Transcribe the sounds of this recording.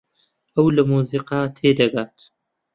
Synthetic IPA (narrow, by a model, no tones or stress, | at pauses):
ʔɐwlɐmuːziːqaːt̪ʰeːd̪ɐɡaːt̪